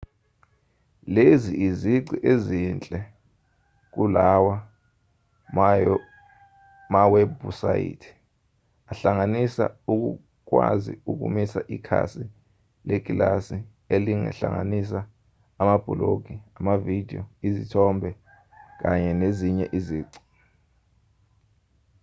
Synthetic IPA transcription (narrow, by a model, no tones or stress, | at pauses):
leziʔiziǀiʔezint͡ɬʼɛ | k̬ulawa | mawɛbusa̰jḭtʰi̥ | aɬaŋanisa̰uk̬ṵ | k̬wa̰zḭuk̬ṵmisaʔikʰa̰si | lek̬ʼilasi | eliŋɛ̰ɬa̰ŋa̰nis̬aː | mab̥ʱuloɡ̥ʱiamavid̥ʱiɔizitʰɔmbʱɛ | k̬aɲɛneziɲɛ̰ʔiziːǀi̥